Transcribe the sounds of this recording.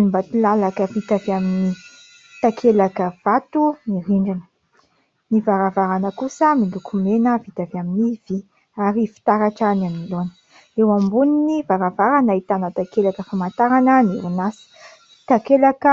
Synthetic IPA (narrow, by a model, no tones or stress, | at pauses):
nimbat̪ilalakəvit̪avamini | t̪akʰelakəv̥at̪uniɾiɳɖ͡ʐinə̥ | nivaɾavaɾanəkusəmilukʰumenəvit̪avaminiv̥i | aɾifi̥t̪aɾaʈ͡ʂanamilonə̥ | ewambuninivaɾavaɾanait̪anət̪akelakəfamant̪aɾanəniɾinasi̥ | t̪akelakə